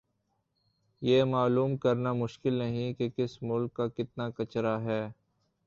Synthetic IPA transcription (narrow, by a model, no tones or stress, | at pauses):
jeːmaːluːmkɐɾnamʊʃkɪlnɐɦĩkekɪsmʊlkːakɪt̪nakɐt͡ʃɾaɦɛː